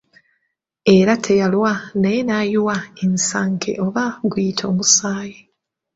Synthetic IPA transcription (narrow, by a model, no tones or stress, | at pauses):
e̞ɾatʰe̞jalwanajenajuwaensaːŋkʰḛʔoβaɡwiːtʰo̞ːmusaːje